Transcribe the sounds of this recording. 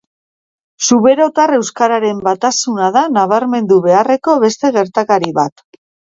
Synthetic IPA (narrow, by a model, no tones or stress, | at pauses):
suβeɾo̞t̪are̞wskaɾaɾe̞mbat̪asunaðanaβaɾme̞nd̪uβe̞are̞ko̞βe̞st̪e̞ɣ̞e̞ɾt̪akaɾiβat̪